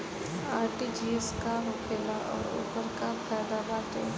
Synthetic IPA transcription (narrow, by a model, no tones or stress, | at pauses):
aːɾʈid͡ʒiːeskamʊkʰeːlaʔɔ̰ːɾo̰ːpəɾkafʰaːjd̪abaːt̪ẽ